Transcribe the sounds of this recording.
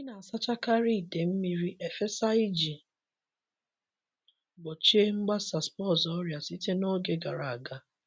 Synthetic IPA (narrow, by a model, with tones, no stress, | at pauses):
ɲi˦na˨a˨sa˦t͡ʃa˦ka˦ɾi˦˨de˨m̩˦mi˦ɾi˦ʔe˨fe˦sa˦i˦d͡ʒi˨ | ɡ͡bɔ˨t͡ʃe˦ŋ͡m̩˦ɡ͡ba˦sa˨spɔ˦˨zɔ˦ɾja˨si˦te˦no˦ɡe˨ɡa˨ɾa˨a˨ɡa˨˦